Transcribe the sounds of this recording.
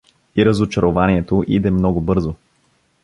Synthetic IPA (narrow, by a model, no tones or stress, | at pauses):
iɾəzot͡ʃɐɾovaniɛt̪oʔid̪ɛmnɔɡʊbɤɾzo